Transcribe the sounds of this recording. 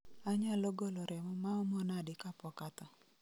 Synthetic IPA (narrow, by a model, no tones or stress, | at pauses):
aɲaloɡoloɾʔɛmɔmaɔmɔnadɪkapɔkat̪ɔ